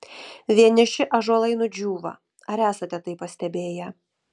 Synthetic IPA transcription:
ʋʲiɛnʲɪʃʲɪʔɐʒoɔlˠɐɪnʊd͡ʒʲuːʋɐ̰ | ɐɾæːsɐt̪ʲɛt̪ɐɪpːɐsʲt̪ʲɛbʲeːjɛ

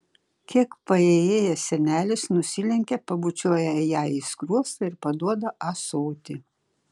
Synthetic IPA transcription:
kʲiɛkpɐeːjeːjɛsʲɛnʲæːlʲɪsnʊsʲɪlʲɛŋʲkʲɛpɐbut͡ʃʲoːjɛjæːiskɾuɔst̪ɐɪɾpɐd̪uɔd̪ɐʔɐsoʊt̪ʲɪ

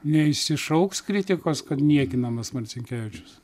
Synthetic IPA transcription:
nʲɛɪʃsʲɪʃɐʊkskɾʲɪt̪ʲɪkoːskɐt̪nʲiɛkʲɪnɐmɐsmɐɾʲt͡sʲɪŋʲkʲæːʋʲɪt͡ʃʲʊ̥s

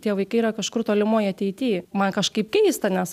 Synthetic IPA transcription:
t̪ʲiɛʋɐɪkɐɪiɾɐkɐʃkʊrt̪oːlʲɪmoːjɐt̪ʲɛɪt̪ʲiːmɐnkɐʃkɐɪpkʲɛɪst̪ɐnʲɛs

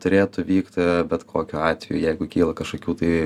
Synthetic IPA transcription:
t̪ʊɾʲeːt̪ʊʋʲiːkt̪ʲbʲɛt̪kʰoːkʲʊɑːt̪ʲʋʲɛjuːjɛɪɡʊkʲiːlˠɐkɐʃkoːkʲuːt̪ɐɪ

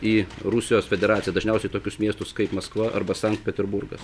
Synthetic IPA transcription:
iːɾʊsʲɪjoːsfʲɛd̪ʲɛɾɑːsʲɪjɛd̪ɐʒʲnʲɛʊsʲɛɪt̪oːkʲʊsmʲiɛst̪ʊskɐɪpmɐskʋɐʔɐ̰ɾbɐsɐŋk̚t̪̚pʲɛt̪ʲɛɾbʊɾɡɐs

